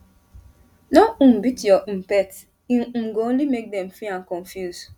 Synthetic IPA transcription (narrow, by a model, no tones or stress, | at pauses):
noũm̩bitjɔʔm̩pɛt | ĩŋ̩ɡõn̩limek̚dɛ̃mfɹiãnkɔ̃nfjuz̥